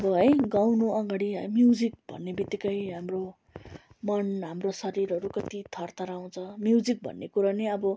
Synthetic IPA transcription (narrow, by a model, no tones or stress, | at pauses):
ʌbʌɦʌjɡaw̃noʌɡaɽiɦʌjmjud͡zik̚bʱʌ̰nːebit̪ːikʌjɦamro | mʌnɦamrosʌɾiɾɦʌɾukʌt̪it̪ʰʌrt̪ʌɾaw̃t͡sʰʌmjud͡zik̚bʱʌ̰nːekuɾaneʌbʌ